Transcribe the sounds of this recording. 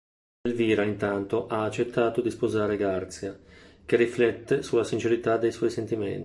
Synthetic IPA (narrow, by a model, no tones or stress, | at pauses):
lviːɾaint̪ant̪oʔaːt͡ʃːet̪ːaːt̪od̪ispozaːɾeɡart̪sja | k̟erːiflɛt̪ːesulːasint͡ʃeɾit̪ad̪ːejswɔjsent̪imḛnt̪